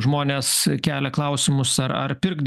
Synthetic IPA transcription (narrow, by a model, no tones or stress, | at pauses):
ʒmoːnʲeːskʲæːlʲɛklˠɐʊsʲɪmʊsɐɾɐ̰ɾpʲɪɾɡd̪